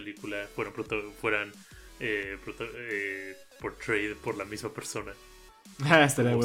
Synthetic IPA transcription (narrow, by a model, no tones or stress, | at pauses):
elikulafweɾompɾot̪ofwe̞ɾan | epɾot̪oe | poɾt̪ɾejðpo̞ɾlamizmape̞ɾso̞na | aest̪aɾiawe